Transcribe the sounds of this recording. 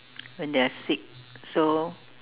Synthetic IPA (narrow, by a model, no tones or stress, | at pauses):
wɛ̃ndɛasik̚so